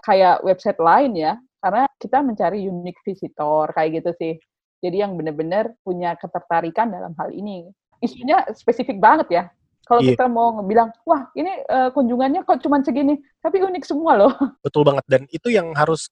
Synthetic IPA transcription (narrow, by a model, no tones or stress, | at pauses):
kajaʔwʔɛb̚sajt̪̚laɪnjakarnakit̪aməɲt͡ʃaɾijuɪk̚fisit̪ɔrkajaɡit̪usɪh | d͡ʒadijaŋbənərbənərpuɲakət̪ərt̪aɾikandala̰mɦa̰lḭni | isuɲaspesifɪk̚baŋət̪ja | kalokit̪amawŋəbilaŋwahiniəːkuɲd͡ʒuŋanɲakat͡ʃumansəɡinit̪apiunɪk̚səmualobət̪ʊlbaŋət̪̚danit̪ujaŋɦaɾʊs